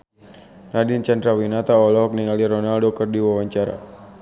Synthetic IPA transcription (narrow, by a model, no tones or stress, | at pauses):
nadint͡ʃand̪ɾawinat̪aɔlɔk̚niŋaliɾɔnaldokərdiwawaɲt͡ʃaɾa̰